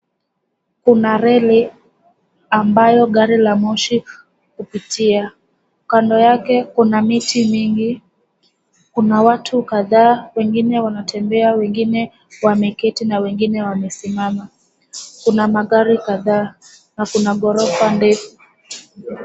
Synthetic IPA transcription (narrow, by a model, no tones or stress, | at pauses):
kunaɾɛli | ambajɔɠaɾilamɔʃi | kupitia | kandɔjakɛkunamitʰimiŋɡi | kunawatʰukaðaːwɛŋɡinɛwanatʰɛmbɛawɛŋɡinɛ | wamɛkɛtinawɛŋɡinɛwamɛsimama | kunamaɠaɾikaðaː | nakunaɠɔɾɔfandɛfu